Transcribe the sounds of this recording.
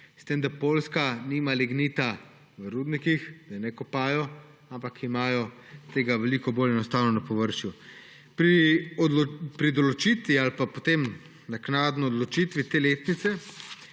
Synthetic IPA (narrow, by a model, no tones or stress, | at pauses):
st̪emd̪apoːlskaniːmaliɡniːt̪a | ʋəɾud̪nikixd̪anɛkɔpaːjɔ | ampakimaːjɔ | t̪eːɡaʋɛlikɔboːlɛnɔst̪aːwnɔnapɔʋəɾʃju | pɾi | pɾid̪ɔlɔt͡ʃiːt̪ʋialpapot̪em | naknaːd̪nɔɔd̪lɔt͡ʃit̪ʋit̪eːleːt̪nit̪sɛ